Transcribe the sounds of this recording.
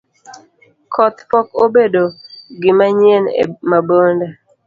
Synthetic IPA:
kʰɔt̪pɔkobedoɡɪmaɲjenḛmabonda

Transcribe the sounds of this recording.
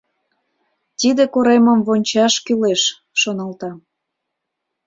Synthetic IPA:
t̪id̪ekoɾeməmvonʲt͡ɕɑʃkyleʃː | onɑlt̪ɑ

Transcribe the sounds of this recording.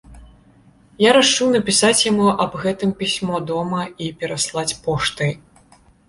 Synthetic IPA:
jaɾat͡ʂuwn̪ɐpʲisat͡sʲjamuʔɐbɣɛt̪ɨmpʲisʲmɔd̪ɔmɐipʲɛɾaslˠat͡sʲpɔʂt̪ɨj

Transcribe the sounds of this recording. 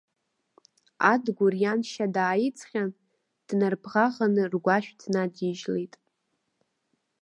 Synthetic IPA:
adɡʷʊrjanʃadaːjit͡sʰʼχʲan | d̥narpʰʁaʁanɨrɡʷaʃᶣtʰnadiʒlejtʼ

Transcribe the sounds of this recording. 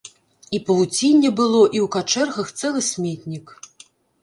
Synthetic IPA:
ipɐvut͡sʲinʲːɛbɨlˠɔʔiwkat͡ʂɛrɣɐxt̪sɛlˠɨsʲmʲɛt̪ʲnʲik

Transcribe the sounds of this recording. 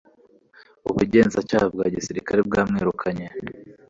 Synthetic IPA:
uβuɟe̞ːnzacaːhebɡaːɟisiɾikaɾeb̚ɡaːmŋeɾukʰaɲe

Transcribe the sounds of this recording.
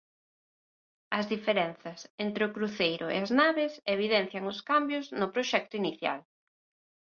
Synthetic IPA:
ɐzðifeɾɛnθɐsent̪ɾɪʊkɾuθejɾʊ̰ḛɐznaβɪseβ̞iðɛn̟θjɐŋʊskambjʊznʊpɾoʃɛk̚t̪ʊiniθja̰l

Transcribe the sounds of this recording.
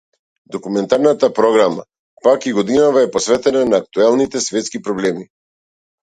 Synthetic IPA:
d̪ɔkumɛnt̪aɾnat̪apɾɔɡɾama̰ | pakiɡɔd̪inavaɛpɔsvɛt̪ɛnanaːk̚t̪uɛlˠnit̪ɛsvɛt̪skipɾɔblɛmi

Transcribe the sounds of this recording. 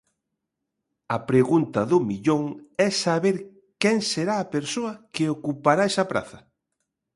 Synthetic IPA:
ɐpɾeɣunt̪ɐðʊmiʎoŋɛsaβeɾ | kɛŋseɾaːpeɾsoɐkeokupaɾaɛsɐpɾa̰θɐ

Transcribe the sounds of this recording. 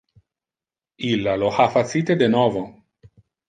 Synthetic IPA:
ilːaloxafat̪siːt̪ed̪enɔːvo

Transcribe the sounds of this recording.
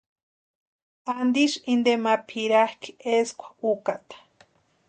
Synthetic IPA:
and̪iʃind̪emapʰiɾahki̥eskʷḁukat̪ḁ

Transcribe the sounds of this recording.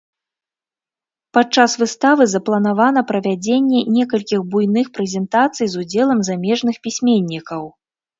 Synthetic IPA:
pat͡ʂasvɨst̪avɨzɐplˠɐnavanɐpɾɐvʲad͡zʲenʲːɛnʲɛkɐlʲkʲixbujnɨxpɾɛzʲɛnt̪at̪sɨjzud͡zʲɛlˠɐmzamʲɛʐnɨxpʲisʲmʲenʲːikɐw

